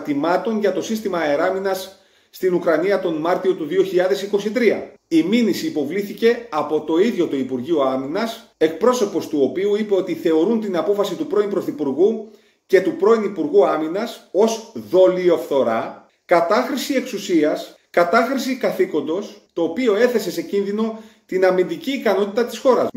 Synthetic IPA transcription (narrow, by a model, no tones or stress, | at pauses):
t̪imɐt̪o̞nʝɐt̪o̞sist̪imɐeɾɐminɐsː | t̪inukɾɐniɐt̪o̞nmɐɾt̪io̞t̪uðio̞çiʎɐðe̞siko̞sit̪ɾiɐ̰ | iminisiːpo̞vliθice̞ɐpo̞t̪o̞iðʝo̞t̪oipuɾʝioɐminɐse̞k̚pɾo̞so̞po̞st̪uo̞piuipe̞o̞t̪iθe̞o̞ɾunt̪inɐpo̞fɐsit̪upɾo̞impɾo̞θipuɾɣu | ce̞t̪upɾo̞inipuɾɣuɐminɐso̞sðo̞lio̞fθo̞ɾɐ | kɐt̪ɐxɾisieksusiɐs | kɐt̪ɐxɾisikɐθiko̞nd̪o̞st̪o̞ːpio̞e̞θe̞se̞se̞cinðino̞t̪inɐmind̪iciːkɐno̞t̪it̪ɐt̪i̥sxo̞ɾɐ